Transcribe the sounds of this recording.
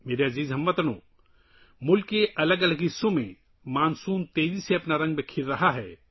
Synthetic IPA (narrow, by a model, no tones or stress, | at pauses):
meːɾeɐziːzɦɐmʋɐt̪nõ̰ː | mʊlkːeʔɐləɡɐləɡɪsːõmẽ | maːnsuːnt̪eːziseɐpnaɾɐ̃ŋɡbekʰɪɾɾɐɦaɦɛː